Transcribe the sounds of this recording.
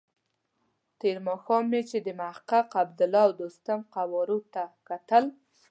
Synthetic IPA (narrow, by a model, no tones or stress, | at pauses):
t̪eɾmɑxɑmːet͡ʃed̪əmahaqaqab̚d̪ʊlɔwd̪ost̪amqawɔɾot̪akat̪əl